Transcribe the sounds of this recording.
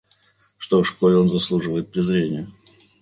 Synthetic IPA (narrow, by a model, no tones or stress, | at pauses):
ʂt̪ofʂkolʲɪo̞nzɐslˠuʐɨvəjɪt̪̚pɾʲɪzɾʲenʲɪjə